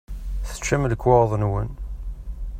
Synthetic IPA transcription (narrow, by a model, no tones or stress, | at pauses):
θə̥t͡ʃːæmləkːwəɾðˤnwən